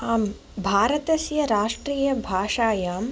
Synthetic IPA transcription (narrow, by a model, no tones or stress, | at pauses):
aːm | bʱaːɾɐt̪ɐsjɐɾaːʂʈɾiːjɐbʱaːʂaːjaːm